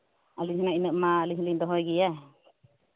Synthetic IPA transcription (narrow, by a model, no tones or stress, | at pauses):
alinaʔinəʔmaliɦliŋd̪ɔɦɔjɡija